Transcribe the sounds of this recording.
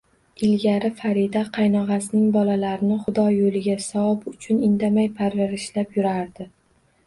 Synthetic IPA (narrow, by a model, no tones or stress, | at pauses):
ɪlɡʲaɾɪfaɾid̪aqʰɑjnɒʁɑsɪnɪŋbɒlalaɾɪnɪχʊd̪ɒjolɪɡʲasawɒpʊt͡ʃʰʊnɪnd̪amajpʰaɾvaɾɪʃlapjʊɾaɾd̪ɪ